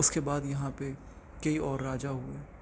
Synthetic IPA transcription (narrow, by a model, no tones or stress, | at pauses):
ʊskebaːd̪jɐɦãpe | kɐiɔːɾːaːd͡ʒaɦʊeː